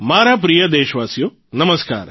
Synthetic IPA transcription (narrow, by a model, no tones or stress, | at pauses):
maːɾap̬ɾijɐd̪eːʃʋaːsijo | nɐməska̰ːɾ